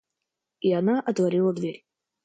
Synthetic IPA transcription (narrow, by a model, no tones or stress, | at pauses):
ianaʔɐt̪vɐɾʲilˠəd̪vʲeɾʲ